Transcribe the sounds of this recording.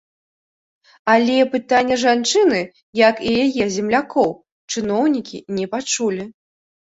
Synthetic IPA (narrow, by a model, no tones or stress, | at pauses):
alʲɛpɨt̪anʲːɐʐant͡ʂɨnɨ | jɐkijajɛzʲɛmlʲakɔw | t͡ʂɨnɔwnʲikʲḭnʲɛpat͡ʂulʲi